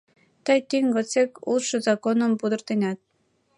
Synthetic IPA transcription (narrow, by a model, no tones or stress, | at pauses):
t̪əjt̪yŋɡə̆t͡sekṵlʃɤ̆zɑkonə̆mpud̪ə̆rt̪enʲɑt̪̚